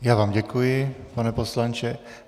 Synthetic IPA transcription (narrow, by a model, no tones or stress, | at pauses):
jaːvaːmɟɛkujɪpanɛposlant͡ʃɛ